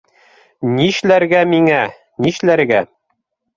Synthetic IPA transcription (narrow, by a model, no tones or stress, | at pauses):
niʃlæɾɡæmiŋæ | niʃlæɾɡæ